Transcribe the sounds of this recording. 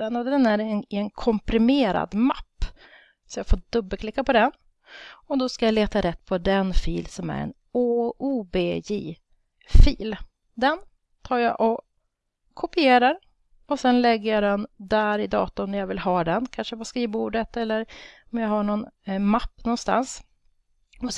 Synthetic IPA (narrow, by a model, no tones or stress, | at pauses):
ɛnad̪ɛnæɾnɪɛnkʰɔmpɾɪmeːɾa̰d̪mapː | sɔjɑɡfoːɖɵbːəlkʰlɪkːapɔd̪ɛn | ɔd̪ɔskajaleːt̪aɾɛt̪ːpʰɔd̪ɛnfḭːlsɔmæ̰ɾɛ̰n | ouːbeːjiː | fiːl | d̪ɛn | t̪ʰɑːɾjaʔɔ | kʰɔpɪeːɾaɾ | ɔsɛnlɛɡːəjɑd̪ɛnd̪æɾɪd̪ɑ̰ːt̪ʊmnɛjɑvɪlhɑːd̪ɛnkʰanʂəpaskɾiːvuːɖət̪ɛlːəɾ | ɔmjɑɦaɳɔnmapːnɔnst̪a̰ns | ɔ